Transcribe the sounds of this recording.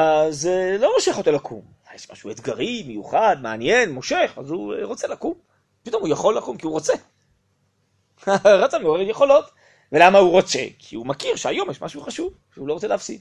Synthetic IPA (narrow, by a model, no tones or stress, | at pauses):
azelo̞mo̞ʃeχotelakʰṵm | ajeʃma̰ʃuuet̪ɡaʁimejuχad̪meanjenmo̞ʃeχa̰zuʁo̞t͡selakum | pit̪o̞mujaχo̞lːakumkiuʁot͡se | aʁat͡sameoʁe̞etjeχo̞lo̞t | velamauʁo̞t͡se̞̰kʰḭumakiʁʃeajo̞mjeɛʃmaʃuuχaʃuv | ʃeulo̞ʁot͡seleafsḭd̪